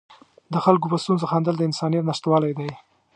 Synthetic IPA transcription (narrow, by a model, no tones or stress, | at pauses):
d̪əxalk̬opəst̪unzoxand̪əld̪əɪnsɑnijat̪naʃt̪wɑlajd̪aj